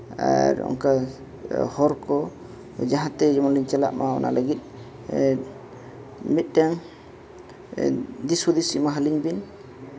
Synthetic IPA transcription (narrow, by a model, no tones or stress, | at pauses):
a̰ɾɔ̰ŋka | hɔɾkɔ | d͡ʒaɦãt̪ɛd͡ʒɔmɔnliɲt͡ʃala̰ʔmaɔna̰ləɡit̪̚ˀ | mit̪̚ˀʈaŋ | d̪isud̪isimaɦaliɲbin